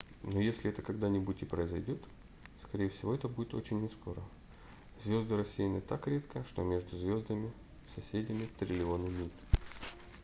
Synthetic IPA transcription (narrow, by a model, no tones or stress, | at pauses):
no̞jesʲlʲɪɛt̪əkɐɡd̪anʲɪbutʲɪpɾəɪzɐjdʲo̞t̪ | skɐɾʲejɪfsʲɪvo̞ɛt̪əbudʲɪt̪o̞̰t͡ɕɪnʲːɪspo̞ɾə̰ | zvʲo̞zd̪ɨɾɐsʲːijnɨt̪akɾʲe̞t̪kəʂt̪o̞̰mʲe̞ʐd̪ʊzvʲo̞zd̪əmʲɪ | sɐsʲedʲɪmʲɪt̪ɾʲɪlʲɪo̞nɨmʲit̪